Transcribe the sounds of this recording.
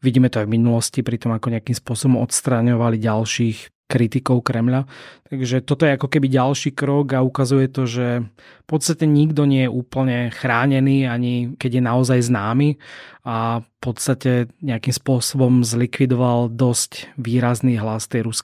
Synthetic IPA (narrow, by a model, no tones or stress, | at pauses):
ʋiɟiːmɛt̪ɔavminulɔscipɾit̪ɔmakɔɲɛakimspʊɔsɔbɔmɔt̪st̪ɾaɲɔʋaliɟalʃiːx | kɾit̪ikɔʊkɾɛmʎat̪aɡʒɛt̪ɔt̪ɔjɛakɔkɛbiɟalʃiːkɾɔɡaukazujɛt̪ɔʒɛ | pɔt̪st̪acɛɲiɡd̪ɔɲɪɛjɛʔuːpl̩ɲɛxɾaːɲɛniːaɲikɛɟjɛnaɔzajznaːmiafpɔt̪st̪acɛɲɛakimspʊɔsɔbɔmzlikʋid̪ɔʋald̪ɔscʋiːɾazniːɦlast̪ɛjɾusk